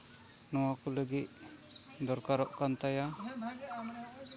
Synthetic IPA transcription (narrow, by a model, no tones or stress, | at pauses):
nɔwakuləɡiʔ̚ | d̪ɔɾkaɾɔʔkant̪aja